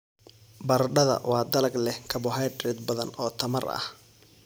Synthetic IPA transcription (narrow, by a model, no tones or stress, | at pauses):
bɐrɖɐðɐ̰wɑːd̪ɐlɐɡlɛhkʰɐbʊɦajd̪rɛd̪bɐðɐnɔːt̪ʰɐmɐrɐ̰h